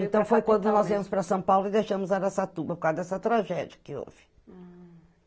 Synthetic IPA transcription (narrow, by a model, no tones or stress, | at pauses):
ẽnt̪ɐ̃w̃fojkwɐ̃nd̪unɔziɾmʊʃpɾɐsɐ̃w̃pawlˠuiðejʃɐmʊzaɾɐsat̪ubɐpuɾkaɾd̪ɛsɐt̪ɾaʒɛðjɐkɨo̰vɨ̥